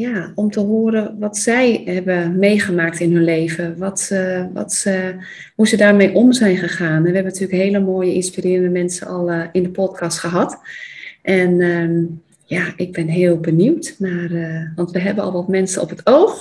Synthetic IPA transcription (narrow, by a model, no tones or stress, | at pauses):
jaɔmtəɦoːəɾəʋɔtsɛjhɛbəmejχəmaːk̚tɪnɦɵnleːvəʋɔtʋɔ̰t | husədaːrmejʔomzɛjnxəχaːnɛnʋəɦɛbənətʰyːələkɦeːləmoːjəɪnspirɪːrəndəmɛnsənɔlˠɪndəpɔtkʰɑstχəɦɑt | ʔɛnə | jaʔɪɡ̚bɪnɦɪːəlˠbəniwtmarʋɑntʋəɦɛbənɔ̰lˠʋɔtmɛnsənɔ̰pətʰoːx